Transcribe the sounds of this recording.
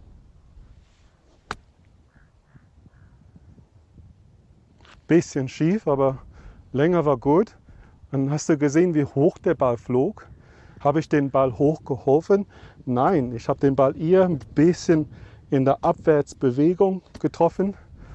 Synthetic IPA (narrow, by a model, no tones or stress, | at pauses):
b̥ɪsçənʃiːfaːbɐlɛŋɐvaːɐɡuːt | anhastd̥uːɡəzeːənviːhoːxd̥eːɐbalfloːk | haːbəɪçd̥eːnbalhoːxɡ̥əhɔlfənnaɪnɪçhaːbəd̥eːnbalʔɪːɐnb̥ɪsçənɪndeːɐʔapv̥ɛɐt͡sb̥əveːɡʊŋɡ̥ətʁ̥ɔfən